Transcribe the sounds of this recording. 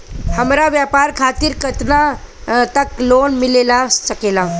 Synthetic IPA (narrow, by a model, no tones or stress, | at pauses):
həmɾaʋjapaɾkʰat̪iːɾkət̪na | t̪əklonmilelasəkela